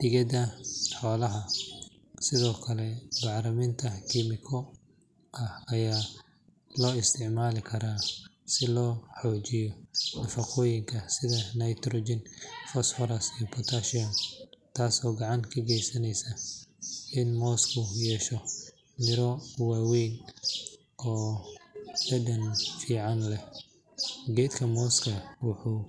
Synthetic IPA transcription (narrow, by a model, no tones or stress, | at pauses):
d̪̥ɪɣɐdɐħɔːlɐɦɐ | sɪðɔːkʰɐlɛbɑʕɾɐmɪnt̪ʰɐkʰimɪkʰɔ | ʔɐhɐjaː | lɔːɪst̪ʰɪʕmaːlɪkʰɐɾaː | sɪlɔːħɔːt͡ʃɪjɔnɐfɐqʰɔːjɪŋkʰɐsɪðɐnɐjt̪ɾɔːd͡ʒɪnfɔsfɔɾɐsijɔpʰɔt̪ʰaːʃɐnt̪ʰaːsɔːɡɑʕɑŋkʰɐɡɛjsɐnɛjsɐ | ɪnmɔːskʰʊjɛːʃɔ | mɪɾɔwaːwɛjn | ɔː | bɐdɐnfiːʕɑnlɛ | ɡɛːd̪kʰɐmɔːskʰɐwʊħuː